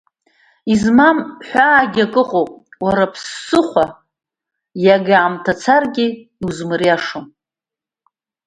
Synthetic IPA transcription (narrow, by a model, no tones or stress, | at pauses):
izmamħʷᶣaːɡʲakʼɨqʼowpʼwaɾapʰsːɨχʷa | jaɡaʕamtʰat͡sʰarɡʲi | iuzmɨrjaʂom